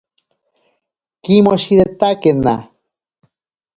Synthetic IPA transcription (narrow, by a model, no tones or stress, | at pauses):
kimoʃiðet̪akena̰